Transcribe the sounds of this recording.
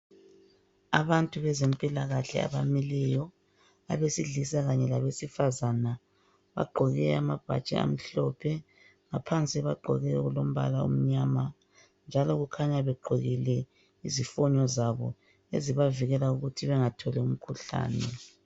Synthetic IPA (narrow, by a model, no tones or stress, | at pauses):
aβantʼuβɛzempʼilaɣaɬɛ̰a̰βamilɛjɔ | a̰βesiɮisaɣaɲɛlaβesifazana | βa̰ɡ͡ǃʱɔɣɛamab̥ʱa̰t͡ʃʼɛ̰a̰m̩ɬɔpʰɛ | ŋapʰant͡sʼiβaɡ͡ǃʱɔ̰ɣɛɣulom̩βa̰laṵm̩ɲama | nd͡ʒʱalɔɣukʰaɲaβɛɡ͡ǃʱɔɣilɛ | izifɔɲɔzaβɔ | eziβaviɣɛlauɣutʰiβɛŋatʰɔlɛum̩kʰuɬa̰ːnɛ̰